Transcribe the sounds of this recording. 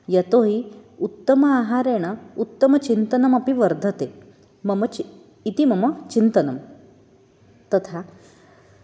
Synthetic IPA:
jɐt̪oɦiut̪ːəmɐaɦaɾeɽ̃ɐut̪ːəmɐt͡ɕint̪ɐnɐmɐpiʋɐɾd̪ʱət̪e | mɐmɐ | it̪imɐmɐt͡ɕint̪ɐnɐm | t̪ɐt̪ʰa

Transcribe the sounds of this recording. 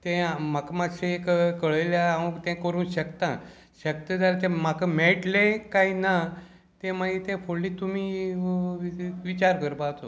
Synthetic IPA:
t̪ẽmakamad͡zɕẽekkəɭəjljaaʋə̃t̪ɛ̃kəɾuːnɕəkt̪ã | ɕək̚t̪əd͡zaɾt̪ẽmakameɭʈlẽkajna | t̪ẽmait̪ẽfʰoɭliːt̪umiː | ʋit͡ɕaɾkəɾbat̪o

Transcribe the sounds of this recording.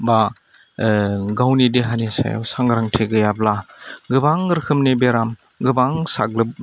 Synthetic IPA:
ba | ɡawnidiɦanisa̰ja̰wsaŋɡɾaŋtʰeɡɯjablaɡɯbaŋɾkʰɯmnebeɾam | ɡɯbaŋsa̰ɡ̚lɯb̚

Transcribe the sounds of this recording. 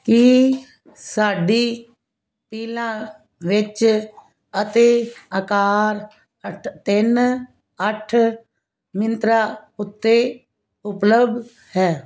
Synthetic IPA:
ki | saːɖiː | piːlãː | ʋɪt͡ʃ | ət̪eːəkaːɾ | ət̪ɪn | əʈʰ | mɪnt̪ɾaː | ʊt̪ːeː | ʊpləbd̪ | hɛː

